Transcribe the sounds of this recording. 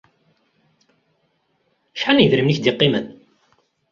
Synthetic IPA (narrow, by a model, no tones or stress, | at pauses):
ʃħaniðɾəmniçd̪ɪqːɪmən